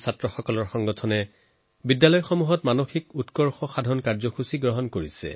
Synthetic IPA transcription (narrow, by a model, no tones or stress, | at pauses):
satɹɔxɔkɔlɔɹxɔŋɡɔtʰɔnɛ | bidːalɔjxomuɦɔtmanoxikutkɔɹxɔxadʱɔnkaɹzɔxusiɡɹɔɦɔnkoɹisɛ̰